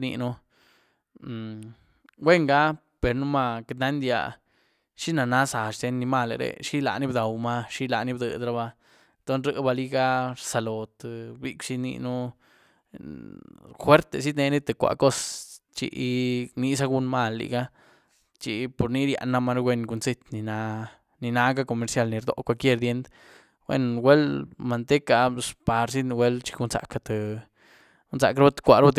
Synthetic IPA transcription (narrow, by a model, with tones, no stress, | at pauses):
nḭ˧nu˦˨ | we˦˨ŋɡa˦ | pe˨ɾnu˦ma˧ke˧t̪na˦nd̪ja̰˧ | ʃi˦na˨na˦sa˨ʃd̪e˧nːi˧ma˦˧˨lḛ˧ɾḛ˧ʃi˦la̰˨ni˦bd̪a˨wma˦ʃi˦la˧˨ni˦bd̪ɨ̰˨d̪ɾa˧ba˧ | t̪o˦nɾɨ˧ba˧li˦ɡa˦ɾsa˨lo˨t̪bḭ˧kʂi˧˦nḭ˧nu˦ | xwe˦ɾt̪e˧s̬i˦d̪ne˧ni˦t̪e˧kʷa̰˨ko˦st͡ʃḭ˧ʔni˧sa˦ɡu˧nma˧˨lːḭ˧ɡa˦ | t͡ʃi˧po˨ɾni˦ɾja̰˧ʔnːa˧ma˧ɾɡwe˦˧nɡu˧nsi˧t̪ni˧na˧ | ni˧na˧˦ɡa˦ko˧˨me˧ɾsja˧lni˨˧ɾd̪o̰˧kʷa˧lkje˦˧ɾd̪je˦nd̪ | wʷḛ˧nwe˦lma˨nt̪e˦ka˧spa˨ɾs̬i˦d̪n˧we˦lt͡ʃi̥˧ɡu˧nza̰˨˧ka˧t̪e˨ | u˦nza̰˧kɾba˦t̪kʷa˧ɾba˦t̪